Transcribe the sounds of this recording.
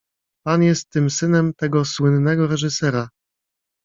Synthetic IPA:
panjɛst̪ːɘmsɘnɛmt̪ɛɡɔswɘnːɛɡɔɾɛʐɘsɛɾa

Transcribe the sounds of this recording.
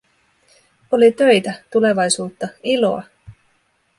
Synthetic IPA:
o̞lit̪ø̞jt̪æt̪ule̞ʋɑjsuːt̪ːɑilo̞̰ɑ̰

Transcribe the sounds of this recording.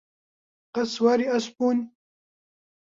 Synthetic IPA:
qɐswaːɾiɐspuːn

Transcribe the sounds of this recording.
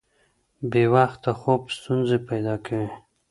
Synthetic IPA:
bewaxt̪ːaxobst̪unzepajd̪ɑkʰawi

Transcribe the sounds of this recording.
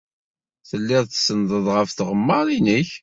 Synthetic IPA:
θəlːɪðˤθsənd̪ˤəðˤʁəfθʁəmːəɾˤinəç

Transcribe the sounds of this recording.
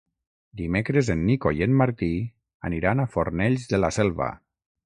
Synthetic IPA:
d̪imekɾəzenːikojenmaɾt̪i | a̰niɾanafoɾnɛʎzðəlasɛlˠβa̰

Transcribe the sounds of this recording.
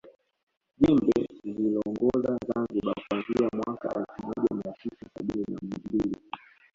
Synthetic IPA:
ʄimbɛlilɔŋɡɔzazanziɓakuanziamwaka̰ɛlfumɔʄamiatʰisasaɓininamimbili

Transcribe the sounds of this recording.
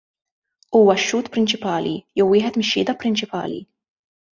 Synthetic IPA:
uːwɐʃːuːt̪pɾɪnt͡ʃɪpɐːlḭjɛwːɪːħɛt̪mɪʃːɪːd̪ɐpɾɪnt͡ʃɪpɐ̰ːlḭ

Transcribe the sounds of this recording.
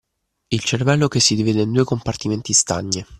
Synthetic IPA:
ilt͡ʃervɛlːokesːid̪iviːd̪eind̪uːekompart̪iment̪ist̪a̰ɲːe

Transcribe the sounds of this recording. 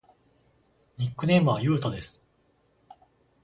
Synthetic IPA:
ɲʲikːɯne̞ːmɯ̟βajɯ̟ːt̪od̪e̞sɨ̥

